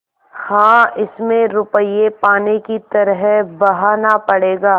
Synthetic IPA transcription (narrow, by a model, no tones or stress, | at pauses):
hãːɪsmẽɾʊpəjepaːnekit̪ɐɾɦɛbɐɦaːnapɐɽeːɡaː